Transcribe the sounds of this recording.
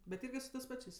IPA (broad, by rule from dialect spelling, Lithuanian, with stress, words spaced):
bʲɛt ˈɪrʲɡʲɪ sʊ tɜs ˈpɑːt͡ʃʲeːsʲ